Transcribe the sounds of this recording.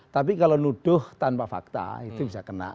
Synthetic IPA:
t̪ap̬ikalonuɖ̥ʊht̪anpafa̰k̚t̪a̰it̪ubisakəna̰ʔ

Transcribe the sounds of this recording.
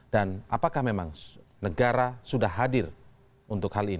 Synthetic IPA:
d̥ana̰pakahmemaŋnəɡaɾasudahːadɪr | unt̪ʊkhalin

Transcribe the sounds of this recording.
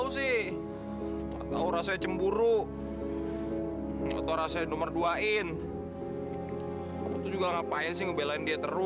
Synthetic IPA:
usɪh | a̰t̪a̰uɾasajat͡ʃəmbuɾu | a̰t̪auɾasajanomərduaɪn | t̪ud͡ʒuɡaŋapaɪns̬ɪhŋəbelaɪndiat̪əɾʊ

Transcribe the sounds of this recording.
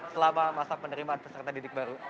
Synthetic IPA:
səlamamasapənəɾimaːnpəsərt̪adidɪk̚baɾu

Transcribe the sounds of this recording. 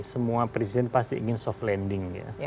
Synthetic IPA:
səmuapɾesidɛnpast̪iʔɡɪnsɔflɛndɪŋa̰

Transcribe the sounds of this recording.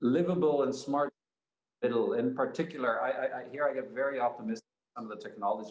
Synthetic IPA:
lɪvəbl̩ˠə̃nsmɑɹt̚ | ɪɾl̩ˠɪ̃npʰə˞tʰɪkjl̩ˠə˞aɪʔaɪʔaɪhiɹaɪɡɛtvɛɹiɑp̚təmɪs | ʌ̃mʌvðətʰɛk̚nɑlˠəd͡ʒ

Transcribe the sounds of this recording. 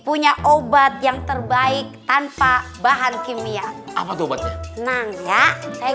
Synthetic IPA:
puɲaʔobat̪̚jaŋt̪ərbaɪk̚t̪anpabaɦankimiaapat̪uobat̪̚ɲanaŋjasaja

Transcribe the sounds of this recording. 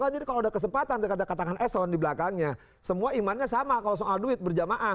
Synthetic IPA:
kad͡ʒadikaloudahkəs̬əmpat̪and̪akadakat̪aŋanʔɛsɔndibəlakaŋɲa | səmuaimanɲasamakalosoʔalduɪt̪̚bərd͡ʒamaʔa

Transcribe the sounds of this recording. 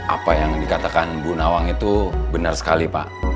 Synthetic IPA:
ʔa̰pajaŋdikat̪akanbunawaŋit̪ubənarsə̥kalipa̰ʔ

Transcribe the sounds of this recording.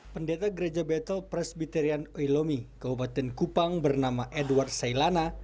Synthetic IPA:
pəndet̪aɡəɾed͡ʒabɛt̪əlpɾɛsbit̪ɛɾianoilomikabupat̪ɛnkupaŋbərnamaʔɛduward̪sailana

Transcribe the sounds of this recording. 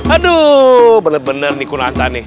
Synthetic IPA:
adubənərbənərnikuna̰nt̪anɪ

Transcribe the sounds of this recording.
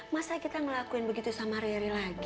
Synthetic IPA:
masakit̪aməlakuɪnbəɡit̪usamaɾɛɾilaɡi

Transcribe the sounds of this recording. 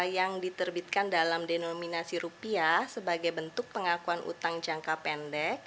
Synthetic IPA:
jaŋdit̪ərbit̪̚kandalamdenominasiɾupiasəbaɡajbənt̪ʊk̚pəŋakuanʔṵt̪aŋd͡ʒaŋkapɛndɛk̚

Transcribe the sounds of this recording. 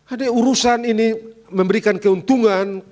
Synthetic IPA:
adauɾusaniniməmbəɾikankəunt̪uŋan

